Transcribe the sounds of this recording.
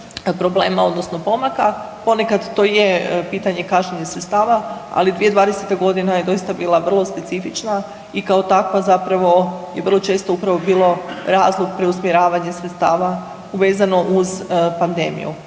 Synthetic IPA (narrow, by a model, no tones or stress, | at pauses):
pɾo̞bleːmao̞d̪no̞sno̞po̞maka | po̞ne̞kad̪t̪o̞ːjepiːt̪aɲe̞kaʃɲeɲesɾet̪st̪aːʋaa̰lid̪ʋije̞d̪ʋaːd̪eset̪aɡo̞d̪inajed̪o̞jist̪abiːlˠaʋər̩lˠo̞spe̞t̪sifit͡ʃna | ikao̞t̪akʋazapɾaʋo̞jeʋər̩lˠo̞t͡ʃe̞ːst̪o̞upɾaʋo̞biːlo̞ɾaːzlˠoɡpɾe̞usmjeɾaːʋaɲesɾet̪st̪aːʋa | uʋe̞ːzano̞ʔuzpand̪ḛːmḭjṵ